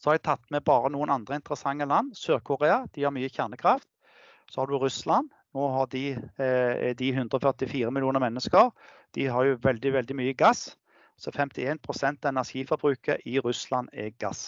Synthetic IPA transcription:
sɔhɑɾɛt̪ʰɑt̪ːmɛbɑːɾənuːənɑnd̪ʁəɪnt̪əɾəsɑŋːəlɑnːsøːʁkʰʊʁeːɑd̪̥ɪhɑɾmyːəçæʁnəkʰɾɑft̪ | sɔhɑd̪ʉɾʉslɑn | noːɦɑʁd̪ɪ | d̪ɪɦʉnd̪ʁəɔːfœʁt̪ɪfiːɾəmɪlɪuːnəʁmɛnːəskəɾ | d̪̥ɪɦɑɾjʊʋɛld̪ɪʋɛld̪ɪmyːəɡɑs | sɔɛfɛmt̪ɪeːnpʰʁʊsɛnt̪ɑɛnæʂiːfɔbɾʉːkəʔɪɾʉslɑnɛ̰ɡɑ̰s

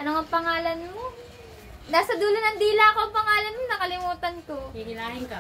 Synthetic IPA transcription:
ʔɐnoŋɐŋpɐŋaːlɐnmo̞ | naːsɐd̪uːlonɐŋd̪iːlaɐko̞ʔɐŋpɐŋaːlɐnmonɐkɐlɪmuːt̪ɐnko̞ikɪnaɪŋkɐ

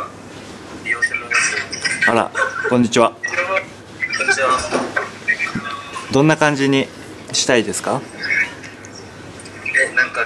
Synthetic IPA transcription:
aɾa̰kõ̞ɲ̟ːit͡ɕiβa | kɲa | d̪õ̞nːakãɲ̟d͡ʑiɲ̟i | ɕi̥t̪aid̪e̞sɨ̥ka | ãŋk

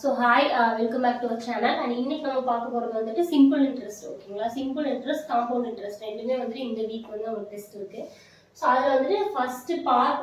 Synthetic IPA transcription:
soːɦaːjʋɛlkɐmaːk̚ʈːɯʋɐɾt͡ʃaːnɐlɐ̃ɳɖɪnːɛkʲːɪnɐmɐpaːɾkɐpoːɾɐðɐʋɐnd̪ɯʈːɯsɪmpɯlɪɳɖɾɛsʈɾo̰ːkːiːŋɡɐlaːsɪmpɯlɪɳɖɾɐsʈkãːmpɐːɖɪɳɖɾɛsʈɾɛɳɖɯmeːʋɐnd̪ɯʈɯɪŋɡ̪ɐʋiːpʋɐnd̪ɯɐʋɐʈɛsʈɪɾɯkːɯ | soːɐðɯɐʋɐnd̪ɯʈːɯfɐsʈpaːɾ

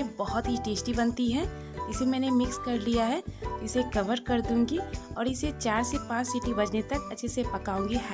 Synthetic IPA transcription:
ebɐɦʊt̪ɦiʈeːsʈibɐnt̪iɦɛ̃ | ɪsemɛːnemɪkskɐɾlijaɦɛɪsekɐʋəɾkɐɾd̪ũːŋɡiɔːɾɪset͡ʃaːɾsepãːt͡ʃsiːʈibɐd͡ʒnet̪ɐkɐtːʃʰesepɐkaːũːŋɡiɦɛ

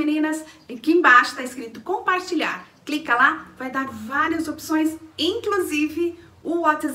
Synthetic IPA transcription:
enĩnɐskɪẽbaʃʊ̥t̪aɪskɾit̪ʊkõpaɾt͡ʃiʎa̰ɾklikɐlavajd̪aɾvaɾiɐzopsõj̃sĩkluzivɪ | ʊɔt̪ɪz

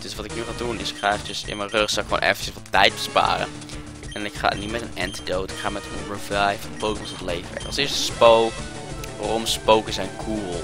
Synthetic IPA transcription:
d̥øsʋɑtɪknyχaːdunɪskrɛjfəsɪ̰nmɛnrøχsɑlˠɪkχʋo̰nʔɛ̰fənt͡ʃəsʋɑtɛjt̚bəspa̰ːɾə̰ | ɛnɪkχa̰ːnitmɛtənɛ̰ntidowtɪ̥kχaːmɛtənɹəvajfɔnpowdəməsətlejvəɛ̰kɑlˠsɪːɹstə̥spowk | aɾɔmspowkəzɛjnɡʰuːlˠ

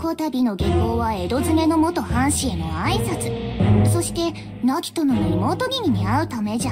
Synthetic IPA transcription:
ko̞t̪abʲino̞ɡeko̞ːβae̞d̪o̞zɨne̞no̞mo̞t̪o̞hãɰ̃ɕieno̰aisat͡sɨ̥so̞ɕi̥t̪e̞ | nakʲi̥t̪o̞nonɾʲimo̞ːt̪oɡʲiɲ̟iɲ̟iaɯ̟t̪ame̞ʑa

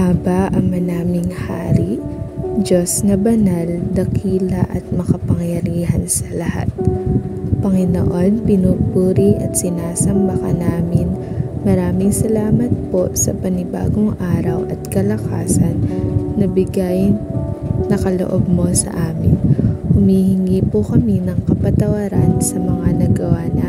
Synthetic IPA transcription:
ʔabɐʔɐŋmɐnaːmɪŋha̰ːɾiʔd͡ʒosnɐbɐnald̪ɐkʰiːlɐʔɐt̪̚mɐkɐpɐŋjɐɾiːɦɐnsɐlɐha̰t̪̚ | pɐŋɪno̰ʔo̞npɪnupuːɾiʔɐt̪̚sɪnaːsɐmbɐkɐnaːmɪn | mɐɾaːmɪŋsɐlaːmɐt̪̚po̞sɐ̰pɐnɪba̰ːɡoŋʔaːɾɐwʔɐt̪kɐlɐka̰ːsɐnːɐbɪɡaj | nɐkɐlo̰ʔob̚mosɐ̰ʔaːmɪ̰nhʊmihɪŋiːpukɐminɐŋkɐpɐt̪ɐwɐɾansɐmɐŋanɐɡɐwanɐ

